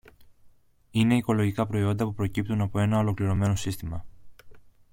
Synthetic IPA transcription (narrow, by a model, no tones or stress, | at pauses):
ine̞iko̞lo̞ʝikɐpɾo̞io̞nd̪ɐpupɾo̞cip̚t̪unɐpo̞e̞nɐo̞lo̞kliɾo̞me̞no̞sist̪imɐ